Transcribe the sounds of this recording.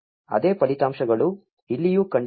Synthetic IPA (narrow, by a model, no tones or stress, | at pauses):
ɐ̰d̪e̞ːpɐlit̪aːmʂɐɡɐɭu | ilːijukɐɳɖ